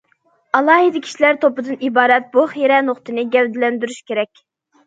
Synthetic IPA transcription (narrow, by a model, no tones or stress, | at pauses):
ɑlˠɑːɦid̪ɪkʲʰi̥ʃilæɾt̪ʰopɨd̪ɨnibɑːɾɛt̪̚buχeɾɛnoχt̪ʰɨnɨɡʲɛwd̪ɪlɛnd̪yɾyʃkʲʰeɾɛkʲ